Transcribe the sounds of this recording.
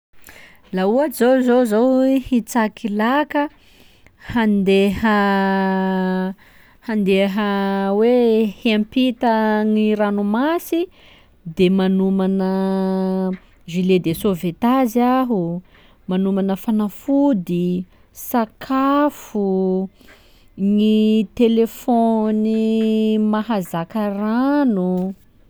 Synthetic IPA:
lauazowzozowhit͡sakʰilakə | hand̪ehə | hand̪eɦəwehempit̪əŋiɾanumasi | d̪emanumanə | ʒiled̪esovet̪aziaɦu | manumanəfanafud̪i | sakʰafu | ŋit̪elefonimaɦazakəranu

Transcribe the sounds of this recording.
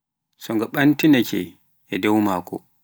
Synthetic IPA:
sɔŋɡaɓantinakɛ | ɛdɛwmaːkɔ

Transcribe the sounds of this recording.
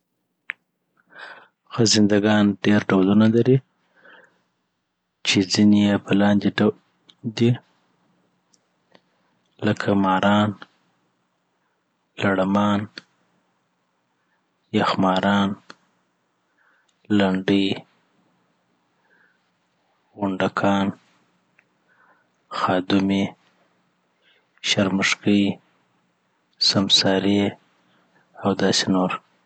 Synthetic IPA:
xəzɪnd̪aɡɑnɖeɾɖawlunalaɾi | t͡ʃezinejepəlɑnd̪ea | d̪i | ləkʰamɑɾɑn | laɽamɑn | jaxmɑɾɑn | laɳɖəj | ɣʊɳɖakʰɑn | xɑd̪ʊme | ʃaɾməʂkəj | samsɑɾe | awd̪ɑsenoɾ

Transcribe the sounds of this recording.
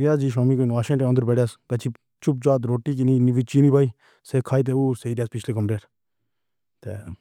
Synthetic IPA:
ɾijaːsd͡ʒiːʃaːmiːkonʋaːʃẽːʈeə̃nd̪əɾpɛːɽjaːskɐt͡ʃʰi | t͡ʃʊp̚d͡ʒaːt̪ɾoːʈːiːk̬iniːniʋit͡ʃiːniːbʱaːiː | seːkʰaːiːt̪̬eːuːseiːɾjaːspɪt͡ʃʰleːkəmɾeːʈ | t̪ḛː

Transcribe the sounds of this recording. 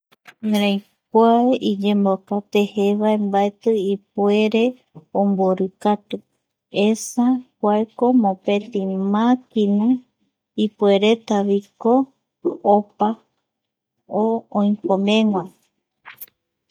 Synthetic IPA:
ɾ̃ãj | kʷaeʔid͡ʒẽ̞mbokat̪e̞heʋaembaet̪ɨip̚ue̞ɾe̞ | õmboɾɨkat̪ɨ | esakʷaeko̞mõpe̞t̪imãkinũ | ipue̞ɾe̞t̪aʋiko̞ː | pa | oõĩkõmẽ̞ŋʷã

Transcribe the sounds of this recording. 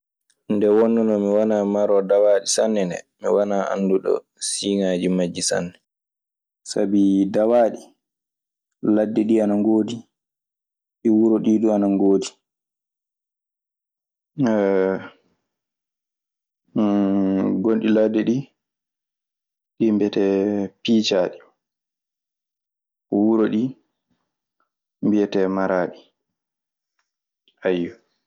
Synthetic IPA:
ndɛwɔnːɔnɔmiwanaːmaɾɔdawaːɗisanːɛnɛ̰ | miwanaʔa̰nduɗɔ̰ | siːŋaːd͡ʒimad͡ʒːisa̰nːɛ | sabidawaːɗi | ladːɛɗianaŋɡoːdi | ɗiwuɾɔɗiːɗuanaŋɡoːdi | ɛ | ɡonɗiladːɛɗi | ɗimbɛtɛpiːt͡ʃaɗi | wuɾoɗi | mbijɛtɛmaɾaːɗi | ajːɔ

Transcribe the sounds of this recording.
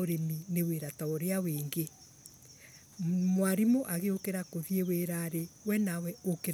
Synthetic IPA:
oɾemineweɾataɔɾeaweːŋɡe | mwaɾimoʔaɣeokeɾakoðieweɾaɾewɛnawɛokeɾ

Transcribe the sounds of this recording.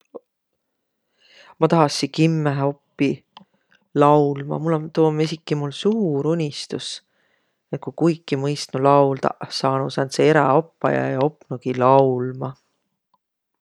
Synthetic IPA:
mɑt̪ɑɦɑsikimːeɦo̞pːi | lɑwlmɑ̰mulːont̪uːmisikˑːimulsuːɾunʲist̪us | et̪̚kukujkˑːimɤjst̪nulɑwldt̪ɑ̰ʔsɑːnusɑnt̪seeɾɑ̰opːɑ̰jɑ̰jɑo̞pːˑnuɡ̥ilɑwlmɑ

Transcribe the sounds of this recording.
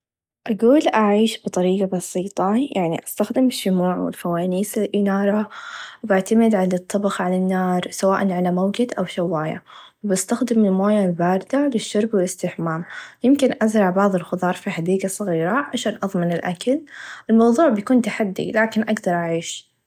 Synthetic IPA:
ʔaɡuːlʔaʕiːʃbɨt̪ˤɑɾiːɡɑbɑsˤiːt̪ˤɑjaʕnḭʔast̪axd̪ɪmɪʃːʊmuːʕwɪ̰lfawaːniːsɪlʔɪnɑːɾˤɑbɪʕt̪amɪd̪ʕalat̪ˤːɑbɑxʕalanːɑːɾˤsawaːʔanʕalamawd͡ʒɪd̪ʔawʃawːaːja̰wɪbast̪axd̪ɪmɪlmoːjabaːɾɪd̪alɪʃːʊɾˤbwɪlɪst̪ɪħmaːmjɪmkɪnʔazɾˤɑʕbɑʕðˤɨlxʊd̪ˤɑːɾˤfiħad̪iːɡasˤɨɣiːɾaʕaʃaːnʔɑðˤmɪnɪlʔakalʔɪlmɑwðˤuːʕbjakuːnt̪aħad̪ːḭlaːkɪnʔaɡd̪ɑɾˤʔaʕiːʃ

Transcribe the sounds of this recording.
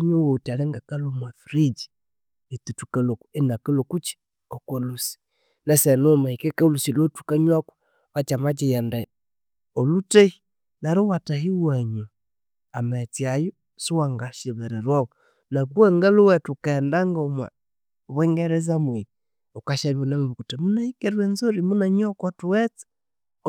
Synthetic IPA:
ɲowotalɛŋɡakalomwafiɾid͡ʒi̥ | et̪utukaloku̥enakelokut͡ʃi̥ | ɔkwolusi̥ | nɛsɛnomaikekɛulusilotu̥kaɲwaku̥ | βat͡ʃamat͡ʃijɛndɛ | olutei | naɾowataɦiwaɲa | amɛt͡siajɔ | suwaŋɡaʃeβɛɾɛɾwawɔ | nakuɛŋɡaluwɛtukɛndaŋɡɔma̰ | βwɛŋɡɛɾɛzamwi | okaʃalonamβukutemunaikɛɾwɛnzoɾimunaɲɔkwɔtuwɛt͡sɛ̥

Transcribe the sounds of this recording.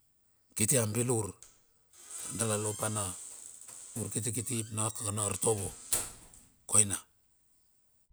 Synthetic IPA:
kitiambiluɾ | andalalopana | uɾkit̬ikitipnakaɡanaɾtoβo | kojna

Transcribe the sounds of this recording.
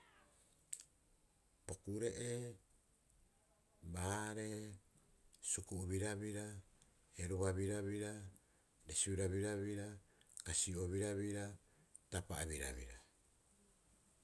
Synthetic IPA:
pokuɾe̞ʔe | baɾe̞ | sukuβiɾaβiɾa | heɾuβaβiɾaβiɾa | desiβiɾaβiɾaβiɾakasioβiɾaβiɾa | tapaaβiɾa̰βḭɾa

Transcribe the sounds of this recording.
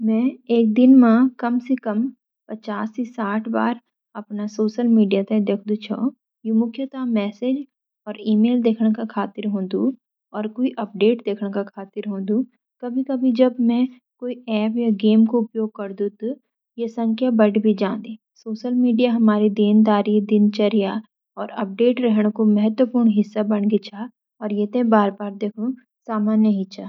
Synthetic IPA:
mɛ̃eːk̚d̪ɪnmãkɐmsekɐm | pɐt͡ʃaːsisaːʈʰba̰ːɾ | ɐpnasoːʃəlmiːɖijat̪ɐd̪eːkʰd̪ut͡ʃʰɔ̰ː | jimʊkʰjət̪amɛːsed͡ʒ | ɔːɾiːmeːld̪eːkʰnkakʰaːt̪ɪɾɦõːd̪ũ | ɔːɾkoːiʔɐp̚ɖeːʈd̪eːkʰɽkakʰaːt̪ɪɾɦõːd̪ũ | kɐbʱikɐbʱid͡ʒɐbmɛ̃ | koːiɛːpjaɡeːmkoʊpjoːɡ̚kɐɾd̪ũt̪u | jesɐ̃ŋkʰjabɐɖbʱid͡ʒãːnd̪eː | soːʃəlmiːɖijaɦɐmaːɾid̪eːnd̪aːɾid̪ɪnt͡ʃɐɾija | ɔːɾɐp̚ɖeːʈɾɛɦɽ̃komɛɦət̪wəpuːɾɳɦɪsːabɐɳɡet͡ʃʰa | ɔːɾjet̪ẽbaːɾbaːɾd̪eːkʰũ | saːmaːnjəɦit͡ʃʰaː

